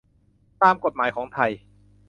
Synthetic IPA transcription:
t̪aː˧mko˨˩t̪̚maː˩˦jkʰɔː˩˦ŋt̪ʰa˧j

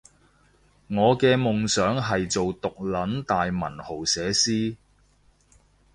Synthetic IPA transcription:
ŋɔː˨˧kɛː˧mʊ˨ŋsœː˨˥ŋɦɐ˨jt͡so˨wt̪ʊ˨k̚lɐ˨˥nt̪aː˨jmɐ̰˨˩nho˨˩wsɛː˨˧siː˥

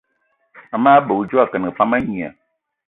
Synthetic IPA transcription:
a˨mã˦bo˨wu˦d͡ʒo˦a˨kɛ˨n˨fã˦mɛ̃˦ɲĩ˨ã̰˨

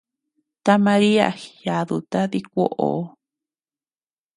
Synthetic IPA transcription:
t̪a˦mã˧ɾi˦a̰˨ja˨ðu˨t̪a˦ði˦kʷo˦ʔo̰˨˦

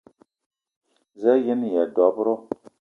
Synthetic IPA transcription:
zɛ˦jɪ˦nɪ˨jɛ˨dɔ˨bʊ˦ɾʊ˦

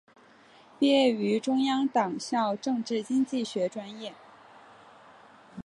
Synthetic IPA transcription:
pi˥˩ɛ˥˩y˧˥ʈ͡ʂʊ˥ŋjɑ˥ŋt̪ɑ˨˩ŋɕjɑ˥˧ʊʈ͡ʂɤ˥˧ŋʈ͡ʂɻ̩˥˩t͡ɕi˥ŋt͡ɕi˥˩ɕɥɛ˧˥ʈ͡ʂwa˥njɛ˥˩

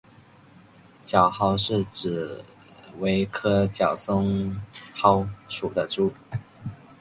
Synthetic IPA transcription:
t͡ɕjɑ˨˩ʊxɑ˥ʊʂɻ̩˥˩ʈ͡ʂɻ̩˨˩ | we˧˥ɪkʰɤ˥t͡ɕjɑ˨˩ʊsʊ˥ŋxɑ˥ʊʂu˨˩d̪ə˦ʈ͡ʂu˥˩

